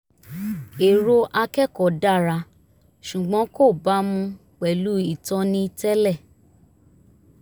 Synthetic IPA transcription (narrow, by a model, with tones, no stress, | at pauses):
e˨ɾo˧ʔa˧kɛ˦kɔ˨da˦˨ɾa˧ | ʃu˨ɡ͡bɔ̃˨˦ko˦˨ba˦mũ˧ | k͡pɛ˨lu˨˦i˦˨tɔ̃˦nĩ˦tɛ˦lɛ˦˨